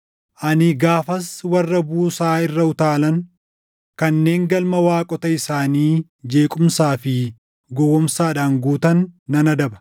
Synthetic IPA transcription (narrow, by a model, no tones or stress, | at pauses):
ʔɐnɪɡaːfɐswɐrːɐbuːsaːɪrːɐʊt̪aːlɐŋ | kɐnːe̞ːŋɡɐlmɐwaːkʼɔt̪ɐɪsaːniː | d͡ʒe̞ːkʼʊmsaːfɪ | ɡɔwɔmsaːᶑaːŋɡuːt̪ɐnːɐnɐd̪ɐbɐ̥